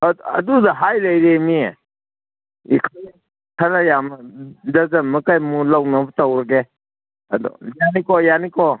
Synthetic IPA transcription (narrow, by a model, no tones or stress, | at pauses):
ɐ̰dudaɦajlajɾemi | ḭkʰa | kʰaɾajamdazamɐkajmulawnabətawɾɐɡe | ɐdɔ̰janikɔjanikɔ